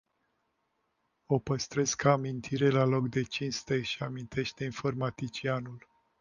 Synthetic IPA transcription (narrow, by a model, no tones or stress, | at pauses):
o̞pəst̪ɾe̞skʰamint̪ʰiɾe̞lalo̞kd̪e̞t͡ʃinst̪e̞ʃiamint̪ʰe̞ʃt̪e̞info̞rmat̪it͡ʃianul